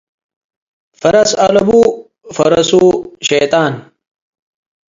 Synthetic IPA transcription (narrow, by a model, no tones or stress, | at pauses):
fɐɾɐsɐlɐbu | fɐɾɐsuɕejt̪aːn